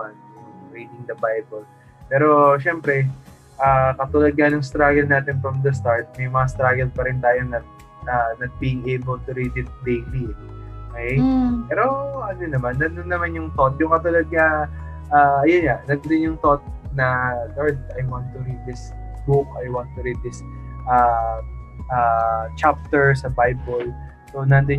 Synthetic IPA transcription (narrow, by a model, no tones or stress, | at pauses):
an | ɾiːd̪ɪŋd̪ɐbajbɛl | pɛːɾo̞ʃɛmpɾɛ | ʔaːkɐt̪ʊlɐɡ̪ɲɐnjʊŋst̪ɾaɡɛlnaːt̪ɪnfɹɐmd̪ɐs̬t̪aɹt̪̚mɐjmɐŋast̪ɾaɡɛlpɐɾɪnt̪aːjo̞nɐ | anɐɡ̪̚biːɪŋejbɛlt̪ʊɾid̪ɪt̪̚bejliokɛjpɛɾoʔɐnonːɐmanːɐnd̪onːɐmanjʊŋt̪ot̪̚jʊŋkɐt̪ulɐd̪̚ɲɐ | ʔaːɐjonɲanɐɡ̚d̪ɪnjʊŋt̪ot̪̚nɐloɹd̪̚ɐjwant̪ʊɾid̪̚d̪ɪs | buk̚ɐjwant̪ʊɾid̪̚d̪ɪsʔa | ʔat͡ʃap̚t̪ɛɹsɐbajbol | sonɐnd̪ɪ